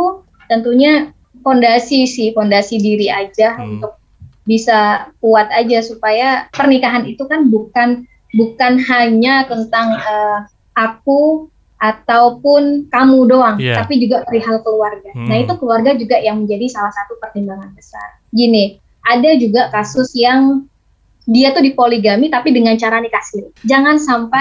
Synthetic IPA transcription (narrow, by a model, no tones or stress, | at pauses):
t̪ənt̪uɲa | fondasisɪfondasidiɾiad͡ʒaunt̪ʊk̚ | bisakuat̪ad͡ʒasupajapərnikaɦanit̪ukanbukan | bukanɦaɲat̪ənt̪aŋəː | ʔak̚u | ʔat̪awpʊnkamudoaŋt̪apid͡ʒuɡaəɾiɦalkəluarɡanait̪ukəluarɡad͡ʒuɡaʔjaŋməɲd͡ʒadisalahsat̪upərd̪imbaŋanbəsa̰r | ɡini | ʔadad͡ʒuɡakasʊsjaŋ | diat̪udipoliɡamit̪apidəŋant͡ʃaɾanikasɪd͡ʒaŋansampa